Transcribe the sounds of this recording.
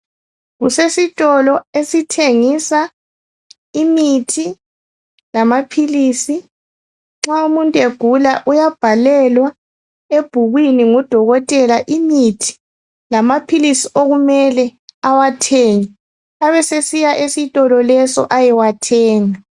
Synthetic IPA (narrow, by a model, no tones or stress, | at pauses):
ɣusesitʼɔlɔesitʰeŋisa | imitʰi | lamapʰiliːsi | ŋ͡ǁaumuntʼeɡ̥ʱulaʔujab̥ʱalɛlwa | eb̥ʱuɣwiniŋud̥ʱɔɣɔtʼɛlaʔimitʰi̥ | lamapʰilisiʔoɣumɛlɛawatʰeŋi | aβɛsesijaʔesitʼɔlɔlɛsɔ̰ʔajiwatʰɛːŋa